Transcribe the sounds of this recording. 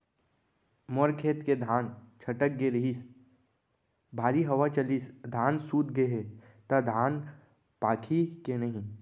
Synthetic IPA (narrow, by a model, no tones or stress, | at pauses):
mɔɾkʰeːt̪ked̪ʱaːnt͡ʃʰɐʈək̚ɡeɾəɦiːs | bʱaːɾiɦɐʋat͡ʃɐlisd̪ʱaːnsuːt̪ɡeɦe | t̪ad̪ʱaːn | paːkʰikenɐɦĩ